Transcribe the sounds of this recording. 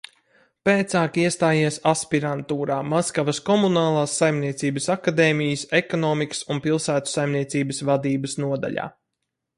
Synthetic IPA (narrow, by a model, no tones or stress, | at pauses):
peːt̪saːkiɛst̪aːjiɛsaspiɾant̪uːɾaːmaskavɐskɔmunaːlˠaːsːajmniɛt̪siːbəsakad̪eːmijəsekɔnɔːmikə̥sunpilˠsæːt̪u̥sajmniɛsiːbəsvad̪iːbəsnuɔd̪a̰ʎʲa̰ː